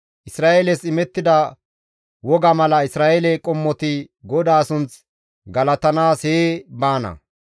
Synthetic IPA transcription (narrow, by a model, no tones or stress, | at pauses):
ʔɪsɾaːʔelɛsɪmɛt̪ːɪd̪ɐ | wɔɡɐmɐlɐɪsɾaːʔelɛkʼɔmːɔt̪ɪɡɔd̪aːsʊnt͡s | ɡɐlɐt̪ɐnaːsheːbaːnɐ̰